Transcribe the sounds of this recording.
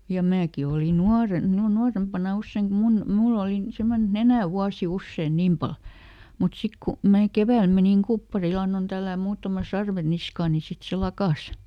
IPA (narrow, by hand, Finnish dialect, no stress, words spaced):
jɑ mæːki oli nuɑren nu nuɑrempɑnɑ usːeiŋ kum mun mulː oliˑ semːonen et nenæˑ wuɑsi usːeˑn niːm pɑl mut sik ku mæː keʋæˑl meniŋ kupːɑril ɑnːon tælːæːm muːtɑmɑ sɑrʋe niskɑː ni sit se lɑkɑˑs